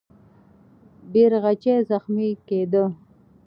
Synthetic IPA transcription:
biɾɣat͡ʃezaxmiked̪ə

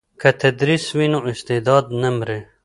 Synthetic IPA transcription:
kɐt̪ʰɐd̪ɾiswinoist̪ed̪ɑːd̪nɐmɾe

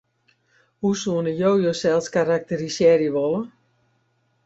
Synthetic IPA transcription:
husuənəjoːjoːsɛlˠskarak̚tərisjɛrjəʋɔlˠə

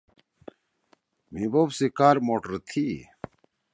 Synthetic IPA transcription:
mibobsikaːɾmoːʈəɾt̪ʰi

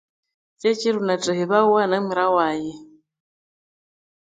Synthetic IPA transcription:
t͡ʃʼɛt͡ʃʼiɾunatʼɛhɛβauwanamuɾawaːjɛ

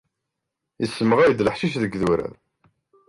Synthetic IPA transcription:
isːəməʁæjəd̪ləħʃiʃðəɡðuɾæ̰ɾ

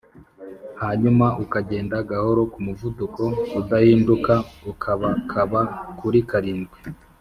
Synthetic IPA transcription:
haɲumaʔukaɟe̞ːndaɡaho̞ɾo̞kumuvuduko̞udahiːndukaukʰaβakʰaβakuɾikaɾiːnɡwe

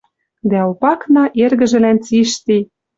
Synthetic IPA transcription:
d̪æopɑknɑʔerɣɘ̆ʒɘ̆lænt͡siʃt̪i

